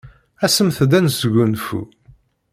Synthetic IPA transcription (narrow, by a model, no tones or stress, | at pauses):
æsəmθd̪ænsəʝʷunfṵ